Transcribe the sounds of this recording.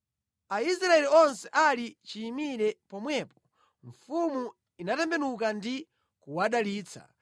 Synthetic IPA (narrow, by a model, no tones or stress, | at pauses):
aisɾaɛliɔnsɛʔalit͡ʃiːmiɾɛpɔmwɛːpɔ̥ | ɱfumu | inatɛmbɛnukandi | kuwaɗaliːt͡sʰa̰